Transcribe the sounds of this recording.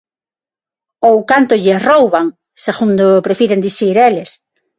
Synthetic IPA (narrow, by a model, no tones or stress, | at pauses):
owkant̪ʊʎerowβaŋ | seɣund̪opɾefiɾend̪iθiɾeles